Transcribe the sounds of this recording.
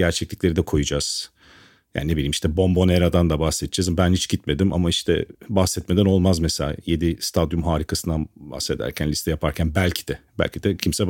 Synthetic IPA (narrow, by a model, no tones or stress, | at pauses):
ɟæɾt͡ʃʰɛclʲiclʲe̞ɾid̪ɛkʰo̞jud͡ʒaz̥ | ja̰nnebilʲiːmiʃt̪ɛbo̞mbo̞neɾad̪and̪abahsɛt̪d͡ʒ̥ɛzambænhit͡ʃɟit̪me̞d̪ima̰maiʃt̪ʰɛ̰bahsɛt̪̚me̞d̪æno̞lˠmazmɛselʲa̰je̞d̪ist̪ʰad̪jumɦaːɾikʰasɯnd̪anba̰hse̞d̪æ̰ɾcʰænlʲist̪ʰɛjapʰaɾcʰænbælʲcʰi̥d̪̥ɛbæ̰lʲcʰid̪ɛcʰimsɛ